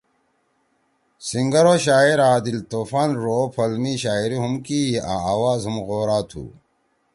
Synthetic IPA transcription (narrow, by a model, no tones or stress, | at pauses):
siŋɡɐɾoːɕaːiɾaːd̪ilt̪oːfaːnɾoːpʰɐlmiɕaːiɾiɦumkia̰aːwaːzumɣoːɾaːt̪ʰṵː